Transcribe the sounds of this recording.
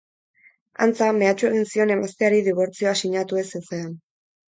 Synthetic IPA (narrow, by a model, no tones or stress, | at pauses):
a̰nt͡same̞at͡ʃue̞ɣ̞insio̞ne̞mast̪eaɾiðiβ̞o̞ɾt͡sioasiɲat̪ue̞sesean